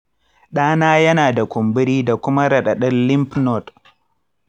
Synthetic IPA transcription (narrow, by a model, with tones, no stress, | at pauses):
ɗaː˦naː˦jɐ˦naː˨da˨kʷʊ˨mbɪ˦ɽiː˦da˨kʷʊ˦ma˦ɾɐ˨ɗɐ˨ɗɐ˦nlɪ˦mpnɔ˦˨t